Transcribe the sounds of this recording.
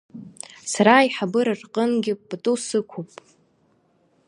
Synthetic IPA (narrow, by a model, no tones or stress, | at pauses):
saɾajħabɨɾarqʼənɡʲɪbtʼusɨkʷʰupʼ